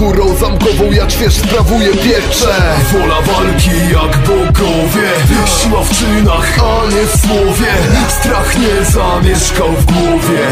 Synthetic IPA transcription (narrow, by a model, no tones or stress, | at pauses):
uɾɔ̃w̃zamkɔvɔ̃wjakvʲɛʂspɾavujɛpʲjɛt͡ʂɛvɔlavalkʲijaɡbɔɡɔvʲjɛv | ɕwaft͡ʂɘnaxaɲɛvwɔvʲjɛ | ist̪ɾaxɲɛzamʲɛʂkawvɡwɔvʲjɛ